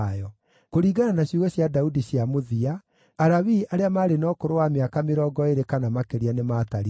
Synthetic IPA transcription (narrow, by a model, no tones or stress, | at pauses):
jɔ | koɾiːɡananaɕuɣɔɕjadaudiɕiamoðiaː | ɾaβiaɾeamaːɾenɔkoɾowameakameɾɔːɡɔeɾekanamakeɾianemaːtaɾi